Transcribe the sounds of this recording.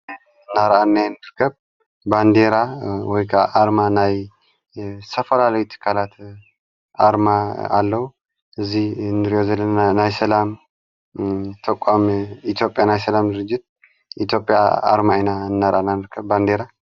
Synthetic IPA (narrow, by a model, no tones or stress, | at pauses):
ɨnːaɾʔanːajnd̪ɨɾkʰəβ | band̪eɾawɔjkʰəʔaɾmanaj | sʰəfəlaləwit̪ʰɨ̥kʰalat̪ | aɾmaa̰lːəhu | ʔɨzːihɨnd̪ɨɾijozələnnajsəlam | t̪ʰəkʷʼamit̪ʰjo̞pʼjanajsəlamd̪ɨɾɨd͡ʒːɪt̪̚ | ʔit̪ʰjo̞pʼːja̰a̰ɾmaenaɨnːaɾʔa̰nːanɨɾkʰəβband̪eɾa